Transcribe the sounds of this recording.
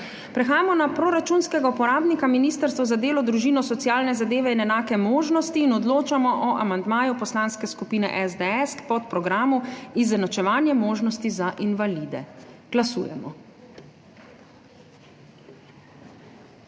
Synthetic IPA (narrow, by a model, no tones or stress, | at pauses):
pɾɛxaːjamɔnapɾɔɾat͡ʃunskɛɡaupɔɾaːbnikaminist̪əɾst̪ʋɔzad̪eːlɔd̪ɾuʒiːnɔsɔt̪sijaːlnɛzad̪eːʋɛinɛnaːkɛmoːʒnɔst̪iːnɔd̪loːt͡ʃamɔʔɔʔa̰mand̪maːjupɔslanskɛskupiːnɛ̰ʔɛzd̪ɛɛspɔt̪pɾɔɡɾaːmuizɛnɔt͡ʃɛʋaːnjɛmoːʒnɔst̪izaʔinʋalid̪ɛ̰ɡ̥lasṵːjɛ̰mɔ̰